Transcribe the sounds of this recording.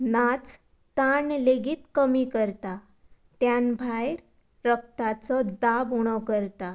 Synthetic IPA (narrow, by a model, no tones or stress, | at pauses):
nat͡s | t̪aɳleɡit̪kəmikəɾt̪a | t̪janbʱajɾ | ɾək̚t̪at͡sɔd̪abuɽ̃ɔkəɾt̪a